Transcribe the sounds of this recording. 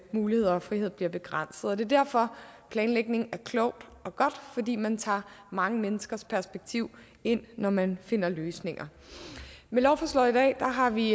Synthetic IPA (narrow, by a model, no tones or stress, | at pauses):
muːlihe̝ð̞̰ˠɐɒ̽fʁihe̝ð̰ˠbliɐb̥e̝ɡ̥ʁɑn̰sð̩ˠɒd̥e̝ɐd̥æɐ̰fɒ̽pʰlɛːnleɡ̥ne̝ŋ̩æɐkʰlɔʊ̰d̥ɒ̽ɡ̥ɒ̽d̥fɒ̽d̥ḭːmænt͡sʰɑ̰̈ːmɑ̈ŋəmenəsɡ̥ɐspʰæɐsb̥eɡ̥̚t͡sʰiʊ̰ | e̝n̰ːɒmænfe̝n̰ɐløːsne̝ŋɐ | melɒʊfɒslɒ̽id̥ɛ̰ːd̥ɑ̈ɦɑ̈ʋi